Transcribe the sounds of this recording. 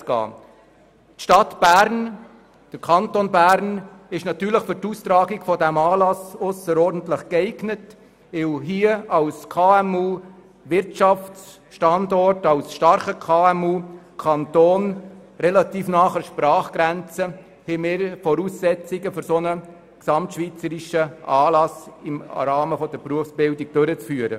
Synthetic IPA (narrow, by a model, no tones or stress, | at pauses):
ɡɑ̰ː | tʃtɑtb̥æɾn | d̥əɾkʰɑntonbæɾn | ɪʃnɑt̪yːɾləχfʏɾtuːst̪ɾɑːɡiɡfɔdɛmɑːlɑsʊsəɾɔɾdn̩tləχkɛɪɡnət | ɪwɦiːəɑlskʰɑːɛmuː | ʋɪɾtʃɑfts | ʃtɑndɔrtɑlsʃtɑɾχəkʰɑːɛmuː | kʰɑntoːnrɛlɑt̪iːfnɑːχəɾʃpɾɑːχɡ̥ɾænt͡sə | hɛmɪːɾfɔɾuːsːɛt͡siɡəfʏɾsonə | ksɑmtʃviːt͡səɾiʃəʔɑːlɑsɪmɾɑːməfɔdəɾpruəfsb̥ɪldiɡ̚d̥øɾət͡sfyːəɾə